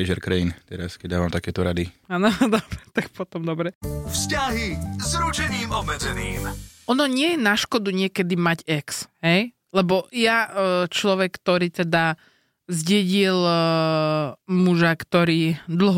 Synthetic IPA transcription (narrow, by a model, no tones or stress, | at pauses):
ʒɛɾkɾaint̪ɛɾaskɛɟd̪aːʋamt̪akɛːt̪ɔɾad̪iaːnɔd̪ɔbɾɛt̪ak̚pɔt̪ɔmd̪ɔbɾɛfscaɦizɾut͡ʃɛɲiːmɔbmɛd͡zɛniːmɔnɔɲɪɛjɛnaʃkɔd̪uɲɪɛkɛd̪imaɟɛksɦɛj | lɛbɔjat͡ʃlɔʋɛkːt̪ɔɾiːt̪ɛd̪a | zɟɛɟil | muʒakt̪ɔɾiːd̪l̩ɦɔ